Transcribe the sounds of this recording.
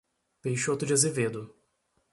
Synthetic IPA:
pejʃot̪ʊd͡ʒɪazeved̪ʊ

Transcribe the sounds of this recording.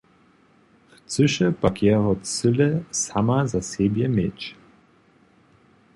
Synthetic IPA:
ft͡sɨʃəpakjɛɦɔt͡sɪlɛsamazasɛbjɛmet͡ɕ

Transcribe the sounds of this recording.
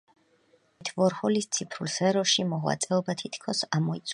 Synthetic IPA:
t̪ʰvɔɾχɔlist̪sʰipʰɾulsɛɾɔʃimɔʁwa̰t̪sʼɛɔbat̪ʰit̪ʰkʰɔsamɔit̪sʰʼ

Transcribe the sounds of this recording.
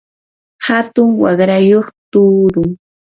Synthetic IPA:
hat̪ʊŋwɑɢɾajoχt̪uːɾʊŋ

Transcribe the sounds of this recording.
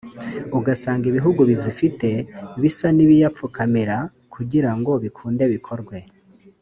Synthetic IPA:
uɡasaːŋɡiβiɦuɡuβizifite̞βisaniβijap͡fukamiɾa | kʰuɟiɾaŋɡo̞βikʰuːnde̞βikʰo̞ɾɡwe̞

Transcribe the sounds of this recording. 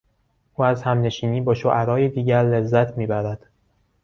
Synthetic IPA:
ʔuːæzhæmne̞ʃiːniːbɒːʃoʔæɾɒːjed̪iːɟæɾle̞zːæt̪ʰmiːbæɾæd̪̥

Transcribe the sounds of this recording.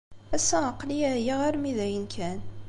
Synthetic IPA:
æsæəqːliæjiʁæɾmiðæjənkʰæn

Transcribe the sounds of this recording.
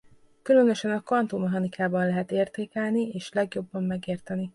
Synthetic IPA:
kylø̞nøʃɛnɒkɒnt̪oːmɛɦɒnikʰaːbɒnlɛɦɛt̪eːrt̪eːkɛlnieːʃlɛɡjo̞bːɒmːɛɡeːrt̪ɛni

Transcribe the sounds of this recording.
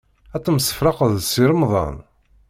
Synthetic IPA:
æt͡sˤːəmsːə̥fɾˤɑqəðsiɾəmðˤɑ̰n

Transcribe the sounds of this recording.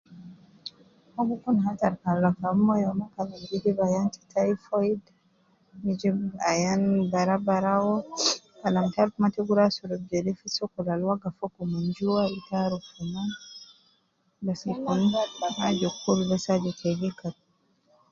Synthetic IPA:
hɔɡukunɦataɾkalakamɔjɔmakalamɡid͡ʒibajanti̥tʰajfɔid | mid͡ʒiajanbaɾabaɾawɔ | kalamtaɾkumatiɡuɾasɔɾɔb̚d͡ʒɛlɛfisɔkulalwaɡafɔkumaɲd͡ʒuwaitaɾukuma | bɛsikunhad͡ʒɔkuɾbɛsad͡ʒɔtʰɛɡikat̚

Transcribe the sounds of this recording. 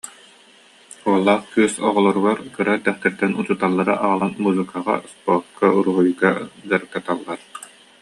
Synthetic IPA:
uɔlˠːaːχkyœsɔ̰ʁɔlˠɔɾuɡaɾkɯɾaɛt̪ɛχt̪ɛɾt̪ɛnut͡ɕut̪alˠːaɾaʔaʁalˠanmuzɯkaʁa̰spɔɾt̪̚kʰauɾuɦujɡaɡaɾɯk̚t̪at̪alˠːaɾ

